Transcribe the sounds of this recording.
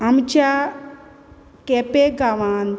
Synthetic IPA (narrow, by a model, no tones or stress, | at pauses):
ɐmt͡ʃa | kepeɡaʋaːn